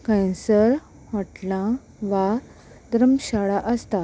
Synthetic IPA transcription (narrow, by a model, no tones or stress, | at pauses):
kãjsəɾ | haʈlã | ʋa | d̪ɾəmɕaɭaʔəst̪a